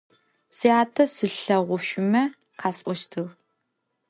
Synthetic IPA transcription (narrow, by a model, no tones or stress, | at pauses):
siaːtʰɐsɨɬɐʁʷʊʃʷʊmɐ | qʰaːsʔʷɔʃtʰɨʁ